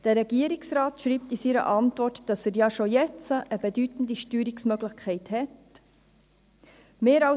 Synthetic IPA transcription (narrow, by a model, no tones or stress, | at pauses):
d̥əɾɛɡiəɾiksɾaːtʃɾiːp̚t̪isiɾə̰ʔɑntvɔrtd̥ɑsəɾjɑʃojɛt͡səʔəbedytn̩diʃtyːɾiksmœɡləχkʰɛɪthɛt | meːɾɑ